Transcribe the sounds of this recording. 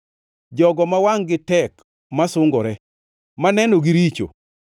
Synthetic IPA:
d͡ʒɔɡɔmawaŋɡɪtɛk | masʊŋɡɔɾɛ | manɛnoɡiɾit͡ʃo̰

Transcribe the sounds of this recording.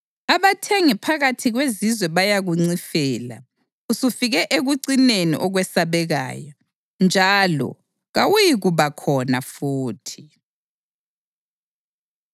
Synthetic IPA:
aβatʰɛŋipʰaɣatʰiɣwezizwɛβajaɣuŋ͡ǀifɛːla̰ | usufiɣɛʔeɣuǀinenḭʔɔɣwɛsaβɛɣa̰ːjɔ | nd͡ʒʱalɔ̰ | ɣawujiɣuβakʰɔnafuːtʰi̥

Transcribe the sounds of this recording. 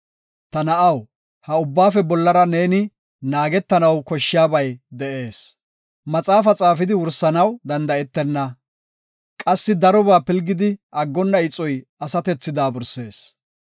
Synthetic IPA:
t̪ɐnɐʔɐw | hɐʊbːaːfɛbɔlːɐɾɐne̞ːnɪ | naːɡɛt̪ːɐnɐwkɔʃːɪjaːbɐjd̪ɛʔe̞ːs | mɐt͡sʼaːfɐt͡sʼaːfɪd̪ɪwʊɾsɐnɐwd̪ɐnd̪ɐɛt̪ːɛnːɐ | kʼɐsːɪd̪ɐɾɔbaːpɪlɡɪd̪ɪʔɐɡːɔnːɐɪt͡sʼːɔjɐsɐt̪ɛt͡sːɪd̪aːbʊɾse̞ːs

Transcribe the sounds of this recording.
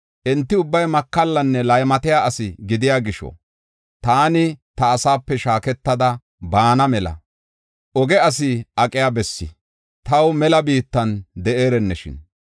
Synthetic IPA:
ʔɛnt̪ːɪʊbːɐjmɐkːɐlːɐnːɛlɐjmɐt̪ɪjaʔɐsɪɡɪd̪ɪjaːɡɪʃɔ̰ | t̪aːnɪt̪ɐːsaːpːɛʃaːkɛt̪ːɐd̪ɐ | baːnɐmɛlɐ̰ | ʔɔɡɛɐs̬ɪɐkʼɪjabɛsːɪ̰ | t̪ɐwmɛlɐbiːt̪ːɐnd̪ɛʔeːɾɛnːɛʃɪ̰n

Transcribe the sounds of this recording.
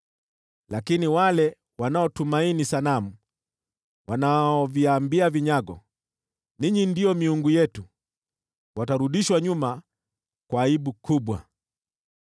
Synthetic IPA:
lakiniwalɛ | wanaɔtumainisanamu | wanaɔviambiaviɲaɡɔ̰ | niɲindiɔmiuŋɡujɛtu | wataɾuɗiʃwaɲuma | kwaːiɓukuɓwa̰

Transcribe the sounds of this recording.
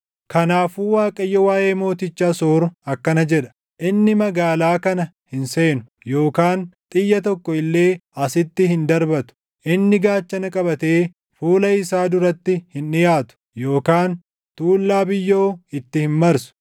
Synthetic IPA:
kɐnaːfuːwaːkʼɐjːɔwaːʔe̞ːmo̞ːt̪ɪt͡ʃːaːsoːɾʊɐkːɐnɐd͡ʒɛᶑɐ̥ | ʔɪnːɪmɐɡaːlaːkɐnɐ | hɪnse̞ːnʊ | jo̞ːkaːnt̪ʼɪjːɐt̪̬ɔkːɔɪlːe̞ːɐsɪt̪ːɪɦɪnd̪ɐɾbɐt̪ʊ̥ | ʔɪnːɪɡaːt͡ʃːɐnɐkʼɐbɐt̪e̞ː | fuːlɐɪsaːd̪ʊɾɐt̪ːɪhɪnɪjaːt̪ʊ̥ | jo̞ːkaːn | t̪uːlːaːbɪjːo̞ːɪt̪ːɪhɪnmɐɾsʊ̥

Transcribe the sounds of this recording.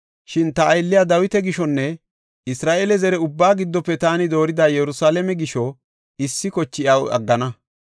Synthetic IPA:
ʃɪnt̪ɐːjlːɪjaːd̪ɐwɪt̪ɛɡɪʃɔnːɛ | ɪsɾaːʔelɛzɛɾɛʊbːaːɡɪd̪ːɔpːɛt̪aːnɪd̪o̞ːɾɪd̪aːjɛɾʊsaːlɛmɛɡɪʃɔ | ɪsːɪkɔt͡ʃːɪjɐwɐ̰ɡːɐnɐ

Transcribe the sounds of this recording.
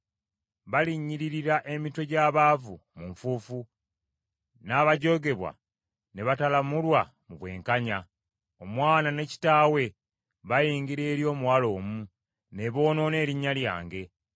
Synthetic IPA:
βaliɲːiɾiɾiɾaʔe̞mito̞ɟaːβaːvumuɱfuːfu | naːβaɟo̞ɡe̞βwa̰ | ne̞βatalamulwa | muβwe̞̰ːŋkaɲa | o̞mwaːnane̞ci̥taːwe̞ | βajiːŋɡiɾe̞ːɾjo̞ːmuwalo̞ːmu | ne̞βo̞ːno̞ːne̞ːɾiɲːalja̰ːŋɡe̞

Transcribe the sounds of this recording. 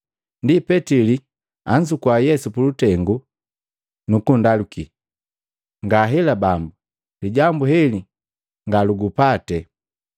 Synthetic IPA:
ndipɛtili | aɲd͡ʒukwajɛsupulutɛŋɡu | nukundaluki | ŋɡaɦɛlabambu | liɟambuɦɛli | ŋɡaluɡupatɛ

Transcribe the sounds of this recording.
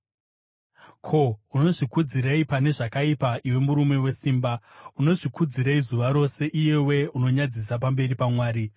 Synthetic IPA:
kʰo̞uno̞ʐikud͡ziɾaipane̞ʐakaipaʔiwe̞muɾume̞we̞siːmbauno̞ʐikud͡ziɾaizuʋaɾo̞se̞ʔije̞we̞uno̞ɲad͡zis̬apambe̞ɾipamwaːɾi

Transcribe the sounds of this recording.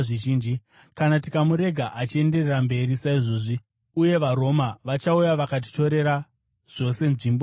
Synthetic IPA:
ʐiʒiːnd͡ʒi | kanatikamuɾe̞ɡʱaʔat͡ʃie̞nde̞rerambe̞ɾisaiʐo̞ːʐi | uje̞ʋaɾo̞maʋat͡ʃaujaʋakat̬i̥to̞ɾe̞ɾa | ʐ̥o̞se̞nʐiːmbo

